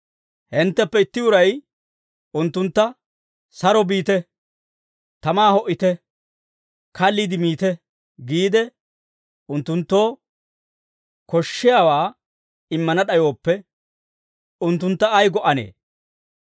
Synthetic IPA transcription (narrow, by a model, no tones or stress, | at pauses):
hɪnt̪ːɛpːɛɪt̪ːɪʊɾɐj | ʊnt̪ːʊnt̪ːɐ | sɐɾɔbiːt̪ɛ | t̪ɐmaːhɔʔːɪt̪ɛ | kʰɐlːɪd̪ɪmiːt̪ɛ | ɡiːd̪ɛ | ʊnt̪ːʊnt̪ːo̞ː | kɔʃːɪjaːwaː | ɪmːɐnɐɗɐjo̞ːpːɛ | ʊnt̪ːʊnt̪ːɐːjɡɔʔɐnḛː